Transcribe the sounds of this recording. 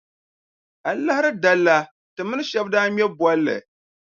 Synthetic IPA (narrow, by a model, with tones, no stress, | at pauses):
a˨la˦hɪ˦ɾɨ˦da˦lːa˦ | tɨ˨mɨ˦nɨ˦ʃɛ˦bdaː˦mɛ˦bwɔ˦lːɨ̰˨